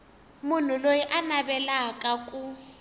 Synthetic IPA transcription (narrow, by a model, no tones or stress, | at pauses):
mun̤ulojiʔanabɛlakʼakʼu